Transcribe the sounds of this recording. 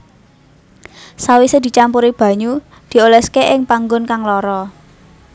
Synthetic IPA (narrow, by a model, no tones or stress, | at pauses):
sawised̪̥i̤t͡ʃampuɾib̥a̤ɲu | d̪̥i̤olɛskeʔɪŋpaŋɡʊnkaŋlɔɾɔ